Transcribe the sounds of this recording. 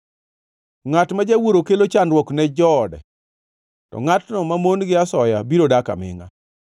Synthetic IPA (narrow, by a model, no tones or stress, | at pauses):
ŋatmad͡ʒawoɾokelot͡ʃanɾwɔknɛd͡ʒɔdɛ̰ | tɔ̰ŋatnɔmamonɡɪasɔjabiɾodaka̰mɪ̰ŋa̰